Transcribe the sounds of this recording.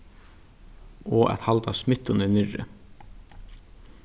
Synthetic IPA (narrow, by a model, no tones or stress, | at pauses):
ɔːʔɛ̰t̪halt̪asmɪt̪ːʊnɪnɪɾɪ̰